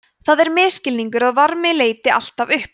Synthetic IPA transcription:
θaðɛɾmɪːscɪlniŋkʏɾaðvaɾmɪleːjt̪ɪa̰l̥t̪avʏhp

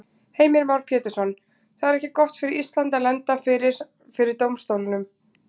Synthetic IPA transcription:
heːjmɪɾvawɾ̥pʰjɛːt̪ɪ̥sɔn | θaðɛɾɛhcɪkɔht̪fɪɾɪɾist̪lant̪alɛnt̪afɪɾɪɾ̥ | fɪɾɪɾ̥t̪oːwmst̪owlɪnʏm

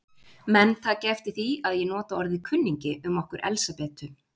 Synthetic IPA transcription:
mɛnθaðcɛft̪ɪθiaðjɛnɔːt̪aɔɾðɪkʰʏnːiɲcɪʔʏmɔhkʏɾʔɛ̰lsapɛːt̪ʏ

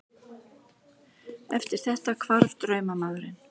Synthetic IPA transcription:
ɛft̪ɪɾ̥θɛht̪akʰvaɾvt̪ɾœːɥmamaːðɾɪn

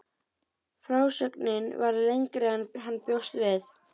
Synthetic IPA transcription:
fɾaːwsœknɪnvaɾlejŋkɾɪanɦanːpjowst̪vɪθ

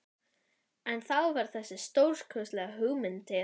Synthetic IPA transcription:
ɛnθawvaɾ̥θɛsːɪst̪owɾ̥kʰœːst̪lɛɣaɦʏɣmɪnt̪ʰɪ

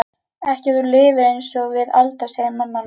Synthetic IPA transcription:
ɛhcɪðʏɾlɪːvɪejnsɔɣvɪðalt̪asejmanma

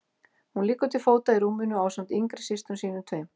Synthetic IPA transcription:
hunliːkʏt̪ʰɪlfoːwt̪aiɾuːmɪnʏaːwsamt̪iŋkɾɪ̥sɪst̪ʏmsiːnʏt̪ʰveːjm

